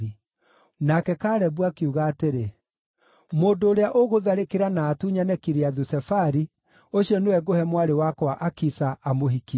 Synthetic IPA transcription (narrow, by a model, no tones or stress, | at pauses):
i | nakɛkaːɾɛβwakeuɣaːteɾe | moːndoːɾeaʔoɣoðaɾekeɾanaːtuɲanɛkiɾeaðusɛfaɾi | oɕiɔnewɛɡohɛmwaɾewakɔaʔakisaʔamoɦiki